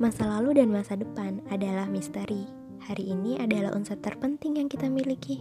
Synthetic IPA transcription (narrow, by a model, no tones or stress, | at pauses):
masalaludanmasadəpanadalahmist̪əɾi | haɾiːniʔadala̰ʔṵnsat̪ːərpənt̪ɪŋjaŋkit̪amiliki